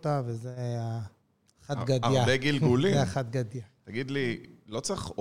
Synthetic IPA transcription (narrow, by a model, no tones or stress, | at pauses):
t̪avezea | χat̪ɡadajadeɡilɡulieaχat̪̚ɡad̪jat̪aɡid̪lilot͡siχo